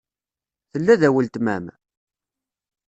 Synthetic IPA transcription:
θəlːæðæwəlt̪mæ̰m

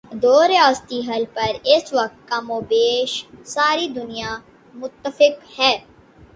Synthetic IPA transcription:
d̪oːɾɪjaːst̪iːɦəlpəɾɪsʋək̚t̪̚kamoːbeːʃsaːɾiːd̪ʊnɪjaː | mʊt̪ːəfɪkhɛː

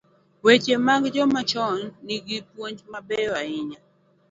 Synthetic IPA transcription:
wet͡ʃemaɡd͡ʒɔmat͡ʃɔnːiɡipwoɲd͡ʒmabɛaɪɲa

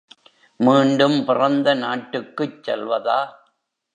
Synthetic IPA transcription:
miːɳɖɯmpɪrɐnd̪ɐnaːʈːɯkːɯt͡ʃsɛlʋɐðaː

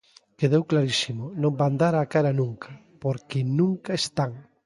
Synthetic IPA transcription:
keðewklaɾisimonõmband̪aɾakaɾanũŋka | poɾkɪnũŋkaest̪aŋ

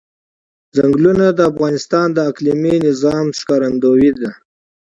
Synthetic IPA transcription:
zaŋɡlunad̪əafɣɑnɪst̪ɑnd̪əakliminɪzɑmʃkɑɾand̪owid̪a

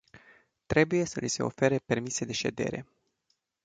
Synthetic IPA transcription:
t̪ɾe̞buje̞səlise̞̰o̞̰fe̞ɾepe̞rmise̞d̪e̞ʃe̞̰d̪e̞̰ɾe̞̰

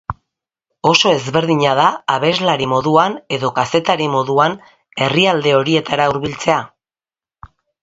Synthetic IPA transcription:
o̞so̞e̞zβe̞ɾðiɲaðaːβe̞zlaɾimo̞ðuane̞ðo̞kase̞t̪aɾimo̞ðuan | e̞riald̪e̞o̞ɾie̞t̪aɾauɾβ̞ilt͡se̞a

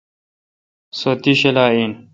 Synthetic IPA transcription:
sot̪iɕelaːiːn

